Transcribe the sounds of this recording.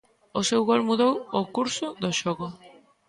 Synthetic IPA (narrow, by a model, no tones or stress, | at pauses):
osewɣolmuðowʊkuɾsʊðoʃɔɣʊ